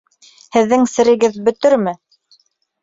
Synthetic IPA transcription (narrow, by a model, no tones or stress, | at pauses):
hɘ̆ðːɘŋsɘ̆ɾɘ̆ɡɘðbɵ̆t̪ɵɾmɘ